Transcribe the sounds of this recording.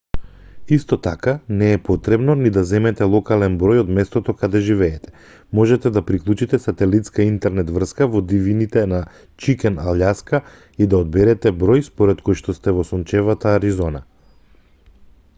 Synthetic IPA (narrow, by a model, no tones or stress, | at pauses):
ist̪ɔt̪akanɛːpɔt̪ɾɛbnɔnid̪azɛmɛt̪ɛlˠɔkalɛnbɾɔjɔd̪mɛst̪ɔt̪ɔkad̪ɛʒivɛːt̪ɛ̥ | mɔʒɛt̪ɛd̪apɾiklˠut͡ʃit̪ɛsat̪ɛlit̪skaint̪ɛɾnɛt̪vr̩skavɔd̪ivinit̪ɛna | t͡ʃikɛnaljaska | id̪aɔd̪̚bɛɾɛt̪ɛbɾɔjspɔɾɛt̪kojʃt̪ɔst̪ɛvɔsɔnt͡ʃɛvat̪aːɾizɔna̰